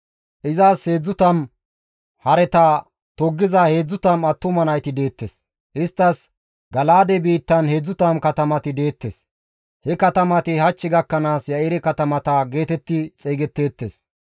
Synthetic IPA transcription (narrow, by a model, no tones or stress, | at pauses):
ʔɪzaːshe̞ːd͡zːʊt̪ɐn | hɐɾɛt̪ɐ | t̪ɔɡːɪzɐhe̞ːd͡zːʊt̪ɐmɐt̪ːʊmɐnɐjt̪ɪd̪e̞ːt̪ːes | ʔɪst̪ːɐs | ɡɐlaːd̪ɛbiːt̪ːɐnhe̞ːd͡zːʊt̪ɐmkɐt̪ɐmɐt̪ɪd̪e̞ːt̪ːes | hɛkɐt̪ɐmɐt̪ɪhɐt͡ʃːɪɡɐkːɐnaːsjɐɪɾɛkɐt̪ɐmɐt̪ɐɡe̞ːt̪ɛt̪ːɪt͡sʼeːɡɛt̪ːe̞ːt̪ːes